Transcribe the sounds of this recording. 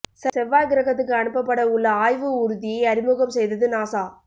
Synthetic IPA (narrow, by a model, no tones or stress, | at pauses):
sɛsɛʋːaːjɡɪɾɐɣɐt̪ːɯk̬ːɯɐɳɯpːɐpːɐɽɐʊɭːɐaːjʋɯʊɾʊðɪjɐɪɐɾɪmuɣɐmsɛjðɐðɯnaːsaː